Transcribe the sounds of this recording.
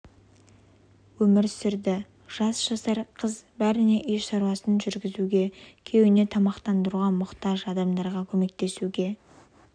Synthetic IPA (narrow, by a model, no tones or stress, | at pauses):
wɵmɪɾsɪɾd̪ɪ | ʒ̥ɑsʒ̥ɑsɑɾqʰəzbæɾɪne̞ʔʏjʃɑɾwɑsənʒʏɾɡʲɪzuɡʲe̞kʲʰe̞wɪne̞t̪ʰɑmɑqt̪ɑnd̪əɾuʁɑmʊqt̪ɑʒɑd̪ɑmd̪ɑɾʁɑkʲʰɵme̞k̚t̪e̞suɡʲe̞